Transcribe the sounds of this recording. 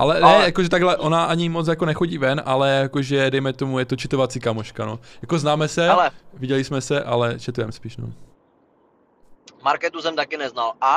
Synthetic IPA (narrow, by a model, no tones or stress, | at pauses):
ʔa̰lɛnɛjakoʒɛt̪aɡɦlɛʔo̞naʔaɲɪmo̞t͡sjakonɛxoɟiːvɛnʔalɛjakoʒɛdɛjmɛt̪o̞mujɛt̪ot͡ʃɪt̪ovat͡siːkamoʃkanojako̞znaːmɛsɛɛlɛvɪɟɛlɪsmɛsɛʔalɛʃɛt̪ujɛmspiːʃno̰ | maɾkɛt̪usɛmt̪akɪnɛznala